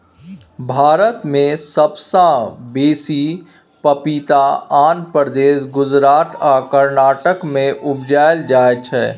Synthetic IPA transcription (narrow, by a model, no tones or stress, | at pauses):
bʱaːɾət̪mẽsəbsãbeːsi | pɐpiːt̪aaːnpəɾd̪eːsɡʊzɾaːt̪ʰaːkəɾnaːʈəkmẽʔʊbd͡ʒaːjld͡ʒaːet͡ʃʰɛː